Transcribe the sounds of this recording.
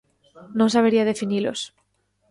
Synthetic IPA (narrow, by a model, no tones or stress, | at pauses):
nõns̬aβeɾiað̞e̞finilo̰s